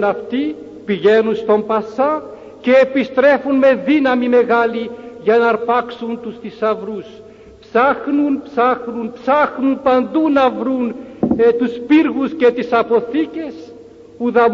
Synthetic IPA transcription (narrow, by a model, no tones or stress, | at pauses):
naft̪i | piʝenusi̥t̪ompasa | keːpist̪ɾɛfunmeðinamimeɣaliʝanaɾpaksunt̪ust̪isavɾus | psaxnunpsaxnunpsaxnunpand̪unavɾunt̪uspiɾɣusket̪isapoθikʲes | uðam